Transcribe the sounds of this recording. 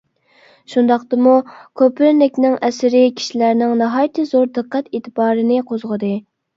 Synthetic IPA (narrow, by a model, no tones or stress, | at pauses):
ʃund̪ɑqt̪ɨmukʲʰøpɪɾɾnɪkʲnɪŋɛsɪɾɪkʲʰi̥ʃilæɾnɪŋnɑɦɑjt̪ʰɨzoɾd̪ɨqːæt̪et̪ʰɨbɑːɾɨnɪqʰozʁəd̪ɨ